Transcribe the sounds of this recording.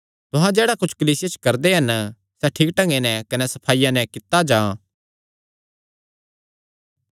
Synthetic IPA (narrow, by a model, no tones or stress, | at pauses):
t̪ʊɦãd͡ʒeːɽakʊt͡ʃʰkɐliːsɪjat͡ʃkɐɾd̪eɦɐn | sɛʈʰiːkʈɐ̃ŋɡenɛ̃kɐnɛsɐpʰaːɪjãnɛ̃kɪt̪ad͡ʒãː